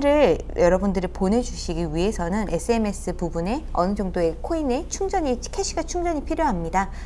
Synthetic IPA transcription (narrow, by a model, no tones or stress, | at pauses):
ɾɯɭjʌɾʌbundɯɾɯpone̞d͡ʑuɕʰiɡiɥiɦe̞sʰʌnɯnʔe̞s͈ʰɯe̞me̞s͈ɯpubune̞ʌnɯd͡ʑʌŋdoe̞kʰoine̞t͡ɕʰuŋd͡ʑʌɲikʰeɕʰiɡat͡ɕʰuŋd͡ʑʌɲipʰiɾjoɦamɲida